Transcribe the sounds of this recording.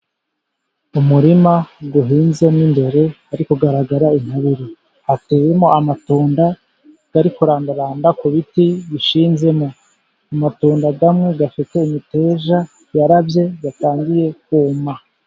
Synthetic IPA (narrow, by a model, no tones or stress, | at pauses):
umuɾimaɡuɦiːnze̞mŋimbe̞ɾe̞aɾikoɡaɾaɡaɾain̥haβiɾi | hateːwe̞moamatoːnda | ɡ̥aɾikuɾaːndaɾaːndakuβitiβiʃiːnze̞mo̞ | amatoːndaɡamŋe̞ɡafite̞imite̞ːʒa | jaɾabje̞ɡataːŋɡije̞k̚uːma